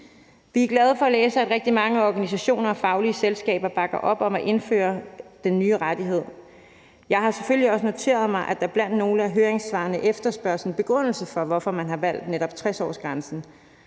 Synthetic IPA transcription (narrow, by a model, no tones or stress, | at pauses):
ʋiæɐɡ̥lɛð̞ˠəfɒ̽æleːsəæd̥ʁɛɡ̥̚d̥imɑ̈ŋəɒɡ̥ænis̬æɕo̝̰ːnɐɒ̽fɑ̈ʊliəselsɡ̥ɛ̰ːb̥ɐb̥ɑ̈ɡ̥ɐʔɒ̽b̥ɒ̽mæʔe̝nfø̰ːɐd̥enːyːəʁad̥iɦe̝ð̰ˠ | jɑ̈ɪɦhɑ̈se̥følliɒ̽səno̝t͡sʰe̝̰ːɐð̞̩ˠmɑ̈ɪʔæd̥ɑ̈ɐb̥læn̰d̥no̝ːləæɐɦøːɐeŋsʋɑ̰̈ːnəʔefd̥ɐsb̥ɶɐsn̩b̥e̝ɡ̥ʁɔn̰l̩səfɒ̽ʋɒ̽fɒ̽mænɦɑ̈ʋæl̰d̥neɾ̥ɒ̽b̥t͡sʰʁɛsɒ̰ːsɡ̥ʁansn̩